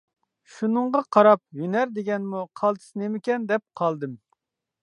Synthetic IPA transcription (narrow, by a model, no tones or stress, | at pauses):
ʃunɨɴʁɑqʰɑɾɑp̚jynæɾd̪eɡʲɛnmuqʰɑlˠt̪ʰɨ̥snemɪkʲɛnd̪ɛp̚qʰɑlˠd̪ɨm